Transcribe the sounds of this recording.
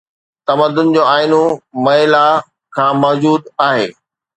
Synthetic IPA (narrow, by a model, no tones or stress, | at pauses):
t̪ɐməd̪ʊn̆d͡ʑoːaːɪnomɐɦɪla | kʰãːmɔːd͡ʑuːd̪aːɦḛː